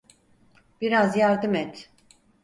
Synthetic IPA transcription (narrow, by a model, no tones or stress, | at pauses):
b̥iɾazjaɾd̪ɯmɛt̪